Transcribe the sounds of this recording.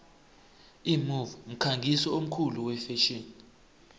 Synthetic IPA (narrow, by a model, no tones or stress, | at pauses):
imuvm̩kʰaŋɡʱisɔom̩kʰuluwɛfɛʃin